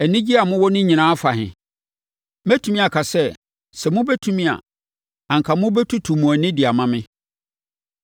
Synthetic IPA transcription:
ɛ˨nɪ̃˦d͡ʑi˦a˨mʊ̃˦wɔ˦nɪ̃˦ɲĩ˨nãː˦fa˨ɦɪ̰̃˨ | mæ˦tʰũ˨mĩ˦a˨kʰa˨sɛ˦ | sɛ˨mʊ̃˦bɛ˦tʰũ˦mĩ˦a̰˨ | ã˨ŋ̩˨kʰa˨mʊ̃˦bɛ˦tʰu˦tʰu˨mũ˨æ˨nɪ̃˦dɪ˨a˨mã˦mɪ̃˦

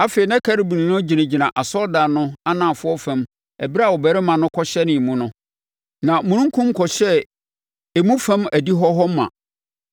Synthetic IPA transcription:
a˨fe˨i˨nã˦kʰa˦ɾi˨bũ˨nĩ˨nʊ̃˦d͡ʑi˨næ̃˨d͡ʑi˨nã˨ʔa˨sɔ˦lda˨nʊ̃˦a˦nãː˨fʊ˦ɔ˦fæ̃˨m | ɛ̰˨bi˦ɾa˦˨ɔ˨bɛ˨ɾɪ˦mã˨nʊ̃˦kʰɔ˦ɕɛ˦nɪ̃˨mũ˦nʊ̃˦ | nã˨mũ˨nũ˦ŋ˦kʰʊ̃˦m˦kʰɔ˨ɕɛ˦ | e˨mũ˦fæ̃˦mæ˨di˦ɦɔ˦ɦɔ˦mː˦ã̰˨

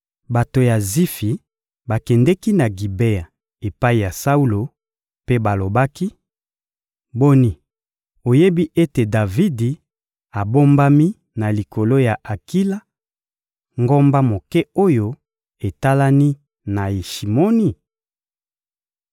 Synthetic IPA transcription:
ba˨to˨ja˨zi˦fi˨ | ba˨kɛ˨ndɛ˦ki˦na˨ɡi˨be˦a˨ | e˨pa˦i˨ja˨sa˦u˦lo˨ | pe˦ba˨lo˨ba˦ki˦ | bo˦ni˦ | o˨je˦bi˦ʔe˦te˨da˨vi˦di˨ | a˨bo˦mba˦mi˦ | na˨li˨ko˨lo˦ja˨ʔa˨ki˦la˦ | ŋɡo˦mba˦mo˨kɛ˦o˦jo˦ | e˨ta˦la˦ni˦ | na˨i˨ʃi˨mo˦ni˨

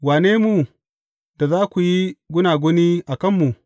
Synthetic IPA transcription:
waː˨neː˦mu˨ | da˨zaː˦kʷu˨ji˦ɡʷʊ˦naː˨ɡʷo˦ni˦ʔa˨kɐ˦mːu˨

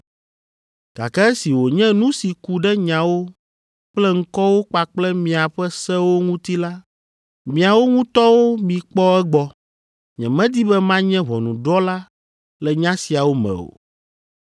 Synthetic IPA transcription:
ɡ̥a̰˨kɛ˦ɛ˦si˨wo˨ɲɛ̃˦nũ˦si˨ku˦ɖɛ˦ɲã˨wo˦ | k͡plɛ˦ŋ̩˦kɔ˦wo˦k͡pa˨k͡plɛ˦mĩ˨a˨ɸɛ˦sɛ˦wo˦ŋũ˦t̪i˦la˦ | mĩ˨a˨wo˦ŋũ˦t̪ɔ˦wo˦mĩ˨k͡pɔ˦ɛ˦ɡ͡bɔ˦ | ɲɛ̰̃˨mɛ̃˦d̪i˦bɛ˦mã˦ɲɛ̃˦βɔ˨nṵ̃˨ɖɔ˦la˦ | lɛ˨ɲã˦si˨a˨wo˦mɛ̰̃˨o̰˨

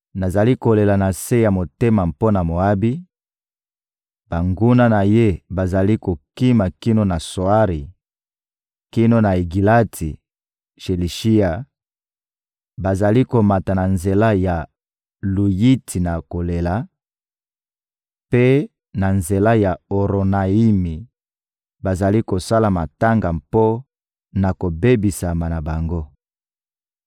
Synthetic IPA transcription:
na˨za˨li˦ko˨le˨la˨na˨se˦ja˨mo˨te˦ma˨mpo˦na˨mo˨a˦bi˦ | b̥a˨ŋɡu˦na˦na˨je˦ba˨za˨li˦ko˨ki˦ma˨ki˦no˦na˨so˨a˦ʁi˨ | ki˦no˦na˨e˨ɡi˨la˦tʰi˨ | ʃe˨li˨ʃi˦a˨ | ba˨za˨li˦ko˨ma˨ta˨na˨nze˨la˦ja˨ | lu˨ji˦tʰi˨na˨ko˨le˨la˨ | pe˦ | na˨nze˨la˦ja˨o˨ʁo˨na˨i˦mi˨ | ba˨za˨li˦ko˨sa˦la˨ma˨ta˦ŋɡa˨mpo˦ | na˨ko˨be˦bi˨sa˨ma˨na˨ba˨ŋɡo˦

